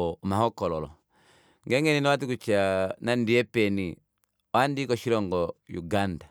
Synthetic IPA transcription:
ɔmahɔkɔlɔlɔ̰ | ŋɡɛŋɡɛninɔwat̬ikut͡ʃanandiɛpɛni | wandikɔʃiɾɔŋɡɔjuɡanda

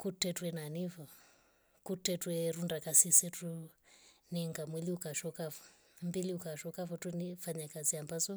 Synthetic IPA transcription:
kutːɛtwɛnanivɔ | kutːɛtwɛɾundakasisɛtu | nɛŋɡamwɛliukaʃɔkavɔ̥ | mbiliukaʃɔkavɔtwɛnifaɲakaziambazɔ

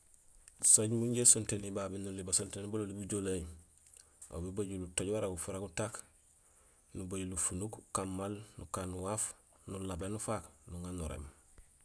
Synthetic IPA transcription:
soɟmuɲɟesontenibabinulibasontenibalolibuɟolaj | o̰bebaɟulutoɟwaɾaɡufuɾaɡutak | nubaɟulufunukkamːalnukanːuwafnulabenufaknuŋanːuɾḛm

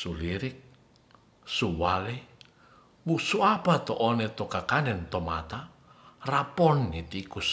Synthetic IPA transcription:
suliɾik̚ | suwalɛ | wusuapat̪ɔʔːnɛt̪okakanɛnt̪ɔma̰t̪a | rapɔnːit̪ikus

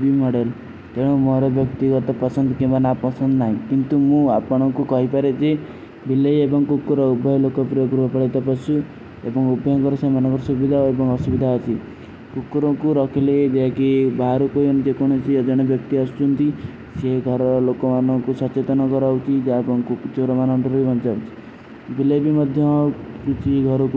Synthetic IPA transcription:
bimɔɽel | t̪eɽ̃ɔ̃moɾɔbjɔkt̪ikɔɾt̪apɔsɔnd̪ɔkĩbanapɔsɔnd̪naɦĩkint̪umũapɔɽ̃ɔkukɔɦipaɾed͡ʒe | bilejebɔŋɔkukːuɾɔubʱɔjɔlokɔpiɾɔpuɾbɔpɔɽet̪ɔpɔsu | ebɔŋubʱɔjɔŋkɔɾɔsemanɔ̃ŋkɔɾɔsubid̪ʱaɦebɔŋɔsubid̪ʱaɦɔt͡ʃʰi | kukːuɾɔkuɾɔkʰiled͡ʒekibaɦɾukojɔnid͡ʒekɔɽ̃ɔt͡ʃʰiɔd͡ʒɔɽ̃ɔbjɔk̚t̪iɔsut͡ʃunt̪i | seɡʱɔɾɔɾɔlokɔmanɔŋkusɔt͡ʃet̪ɔnɔkɔɾawt͡ʃʰid͡ʒaebɔŋkukut͡ʃoɾɔmanɔɳʈɔɾbibɔnt͡ʃaut͡ʃʰi̥ | bilebimɔd̪ʱjɔkut͡ʃʰiɡʱɔɾɔku

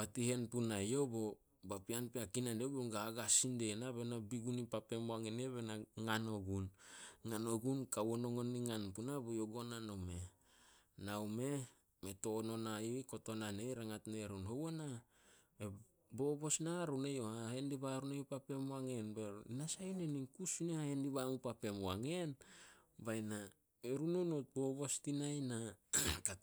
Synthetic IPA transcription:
batihe̞npunajo̞bo̞ | bapianpeakinandeboɡaaɡasinde̞naβenabiɡunipape̞moaŋeneβenaŋano̞ɡunŋano̞ɡunkawono̞ŋoniŋanpunabojo̞ɡo̞nanome̞ | nawme̞ | meto̞no̞naiko̞to̞nane̞jɾaŋatne̞ɾunhowona | e | bo̞bo̞snaɾunejohahendiβaɾunejopape̞mwaŋe̞nbeɾinasajoneniŋkusunehahendiβamupape̞mwaŋe̞n | bajna | eɾunonot̚bo̞bo̞stinajnaka

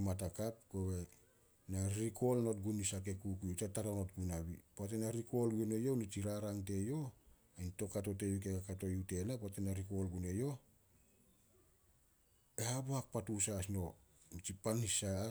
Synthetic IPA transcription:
mat̬akap̚kowe̞ | naɾiko̞lno̞t̚ɡunisak̬e̞kukujutataɾano̞tɡunaβipoat̬enaɾiko̞lɡne̞jo̞nit͡ʃiɾaɾaŋt̬e̞jo̞ | ajnto̞kato̞te̞βik̬e̞kakato̞jute̞lapoatenaɾiko̞lɡune̞jo̞ | e̞habohak̚patusasno̞ | nit͡ʃipanhisa

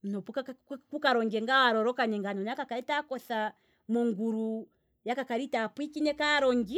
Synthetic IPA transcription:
m̩nɔpukakukaɾɔŋɡɛŋɡawaɾɔɾɔkaɲɛŋɡanɔnakakaɾitakɔθa | mɔŋɡuɾu | jakakaɾitapwikinɛkaɾɔŋɡi

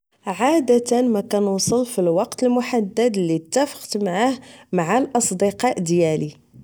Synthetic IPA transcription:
ʕad̪æt̪ənmækænusˤəlfilwɑqt̪əlmʊħad̪ːæd̪lːit̪ːæfə̥qt̪maʕahmaʕalʔɑsˤd̪əqɑʔd̪jæli

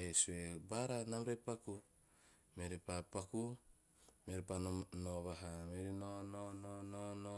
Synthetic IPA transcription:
hesuebaɾanamɾepaku | meɾepapaku | meɾepanoβaɦameɾinonononono

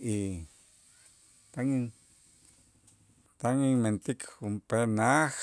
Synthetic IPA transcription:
i | t̪aŋiŋ | t̪aŋiŋment̪ikhumpenax

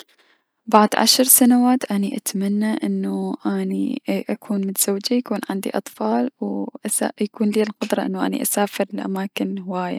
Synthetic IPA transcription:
baʕd̪ˤʕa̰ʃɾˤsanawaːt̪ʔaniʔat̪manːaʔɪnːuʔanḭʔakʰuːnmɪt̪z̥awːd͡ʒajakuːnʕɪnd̪ḭʔɑt̪ˤfɑːlwʔasajakuːnliːlqʊd̪ɾˤɑʔɪnːuʔa̰nḭʔasaːfɪɾɪlʔa̰maːkɪnhɪwaːja̰

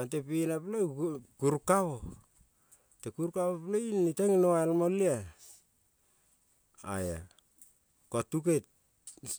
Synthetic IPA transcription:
antepinaplekuɾkawo | tekuɾkawopleiniteŋnoalmolia | a̰ja̰ | kotuket̚

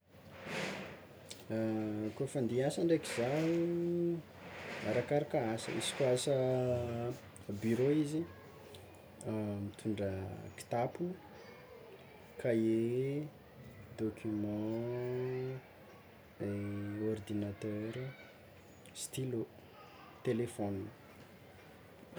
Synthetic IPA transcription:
kuofand̪iasaɳɖ͡ʐekizaɦu | aɾakaɾakəasə̰ḭsi̥kʲuasə | byɾoizi | mit̪ʰuɳɖ͡ʐəki̥t̪apun | kae | d̪okʰʲymɑ̃ | eord̪inat̪øɾ | st̪ilo | t̪elefɔnin

